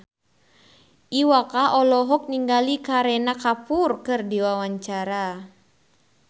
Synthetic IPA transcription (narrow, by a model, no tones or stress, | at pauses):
ʔiwakaʔɔlɔɦɔk̚niŋɡalikaɾɛnakapurkɨrdiwawaɲt͡ʃaɾa